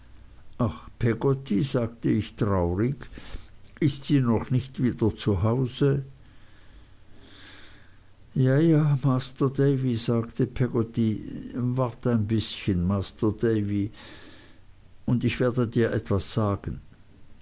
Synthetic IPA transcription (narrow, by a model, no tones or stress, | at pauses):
ʔaχpʰɛɡotʰizaːɡtəɪçtʁ̥aʊʁɪɡ | ʔɪstz̥iːnɔχnɪçtv̥iːdɐt͡suɦaʊzə | jajaːmaːstədeɪvizaːktʰəpʰɛɡotivaɐtaɪnbɪsçənmastəd̥eɪvi | ʊndɪçv̥eːɐdədiːɐʔɛtv̥asz̥aːɡ̥ən̩